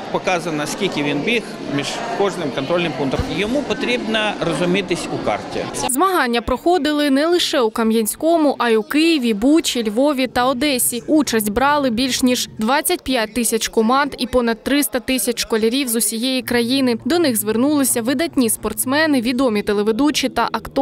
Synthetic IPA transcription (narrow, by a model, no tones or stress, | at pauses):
pɔkazɐnɐskʲilʲkʲɪʋʲinbʲix | mʲiʐkɔʐnɪmkɔnt̪ɾolʲnɪmpunkt̪ɐmjɔmupɔt̪ɾʲibnɐrɔzʊmʲit̪ɪsʲʊka̰rtʲɪ̰zmɐɦɑnʲːɐpɾɔxɔd̪ɪlˠɪnɛlˠɪʃɛukɐmjɐnʲsʲkɔmʊʔɐjiukɪjɪʋʲibut͡ʃʲilʲʋɔʋʲit̪ɐɔd̪ɛsʲiut͡ʃɐsʲtʲbɾɑlˠɪbʲilʲʃnʲiʒd̪ʋɑt͡st͡sʲːɐt̚ʲpʲjat̚ʲt̪ɪsʲɐt͡ʃkɔmɑnd̪ipɔnɐd̪̚tːɾɪst̪ɐt̪ɪsʲɐt͡ʃʃkɔlʲɐɾʲiwzʊsʲijejikɾɐjinɪd̪ɔnɪɣzʋernulˠɪsʲɐʋɪd̪ɐtʲnʲispɔrt̪smɛnɪʋʲid̪ɔmʲit̪elˠeʋɪd̪ut͡ʃit̪ɐ̰ʔɐkt̪